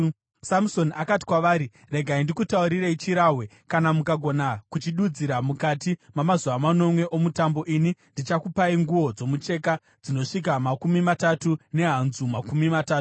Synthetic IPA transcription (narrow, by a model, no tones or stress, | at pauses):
samso̞nakati̥kwaʋaːɾi | re̞ɡʱaindikutauɾiɾeit͡ʃiɾaɦwe̞ | kanamukaɡʱo̞nakut͡ʃiɗud͡ziɾamukatimamazuʋamano̞mwe̞ʔo̞mutambo̞ʔinindit͡ʃakupaiŋɡuʋo̞d͡zo̞mut͡ʃe̞ka | d͡zino̞ʂik̬amakumimatatune̞ɦanzumakumimataːtu̥